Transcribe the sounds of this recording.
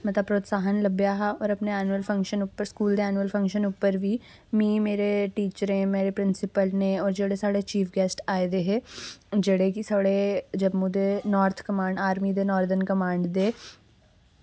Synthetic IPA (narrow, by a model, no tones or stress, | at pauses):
mət̪əb̚pɾoːt̪saːɦənləbjaːɦaɔːɾɐpneɛːnuəlfʰə̃ŋkʃənupːəɾskuːld̪eɛːnuəlfʰə̃ŋkʃənupːəɾʋiː | mĩːmeːɾeʈiːt͡ʃəɾẽːmeːɾepɾɪnsɪpəlnẽːɔːɾd͡ʒeːɽesaːɽet͡ʃiːfʰɡɛːsʈaːed̪eːɦeːd͡ʒeːɽekisaːɽed͡ʒəbmud̪eːnɔːɾt̪ʰkəmãːɳɖaːɾmid̪eːnɔːɾd̪ənkəmãːɳɖd̪eː